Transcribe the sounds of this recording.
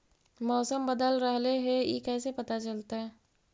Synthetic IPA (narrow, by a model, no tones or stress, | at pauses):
mɔːsəmbəd̪əlɾəɦleɦejḛkɛːsepɐt̪at͡ʃəlt̪aɦɛː